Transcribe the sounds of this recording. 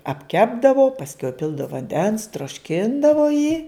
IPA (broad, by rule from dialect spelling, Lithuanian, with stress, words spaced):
ɐpʲˈkʲæːbdɐʋoː pɐsʲˈkʲɛʊ ɪˈpʲɪlˠdɐw ʋɐnʲˈdʲɛns troːʃʲˈkʲɪndɐʋoː jiː